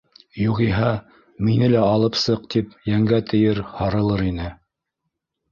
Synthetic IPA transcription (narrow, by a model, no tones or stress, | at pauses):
juʁiɦɑ | minɘlæɑlˠɤpsɤq̚t̪ip̚jæŋɡæt̪ʰɘ̆jɘɾhɑɾɤ̆lˠɤɾinɘ